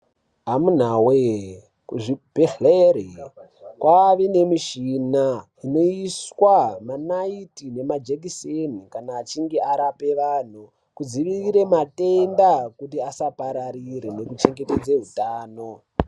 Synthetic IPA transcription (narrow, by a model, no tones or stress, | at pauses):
ɦamun̤awe | kuʐibʱeleɾi | kwʔaʋene̞miʃina | ino̞iswamanaitine̞mad͡ʒek̬isenikanaːt͡ʃiŋɡeaɾape̞ʋaːn̤u | kud͡ziʋiriɾe̞mate̞ndakutiasapaɾaɾiɾene̞kut͡ʃe̞ŋɡe̞ted͡zeɦutaːno̞